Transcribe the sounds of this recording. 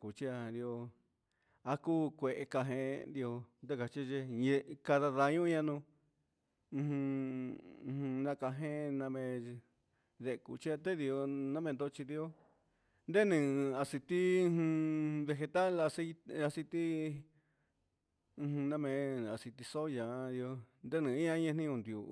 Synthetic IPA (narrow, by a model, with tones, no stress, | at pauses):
ku˨t͡ʃi˦a˧d̪i˧o˧ | a˧ku˦kʷe˨ʔe˧ka˧ɦẽ˧nd̪i˧o˧nd̪e˦ka˨t͡ʃi˦˧ʒe˧je˧ka˧ða˧ða˧ɲũ˦ɲã˧nũ˧ | hũ˧ | hnã˧ka˧ɦẽ˦˧nã˧mẽ˧ | ðe˧kṵ˨t͡ʃi˦a˧t̪e˦d̪i˧o˧nã˦mẽ˧nd̪o˦˧t͡ʃi˧d̪i˧o˦ | nd̪e˦nɨ̃˨a˧si˧t̪i˦˧hβe˧xe˧t̪a˦la˧se˧a˧si˧t̪i˦˧ | hnã˧mẽ˧a˨si˧t̪i˧so˦jã˨˧d̪i˧o˧nd̪e˦nĩ˨˧ĩ˦ã˦ɲẽ˧nĩ˦ũ˧nd̪jo̰˧